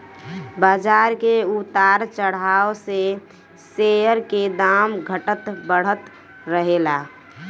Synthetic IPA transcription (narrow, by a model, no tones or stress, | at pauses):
baːd͡ʒaːɾkeut̪aɾt͡ʃəɽ̤aːose | seəɾked̪amɡʱəʈət̪bəɽ̤ət̪ | ɾəɦela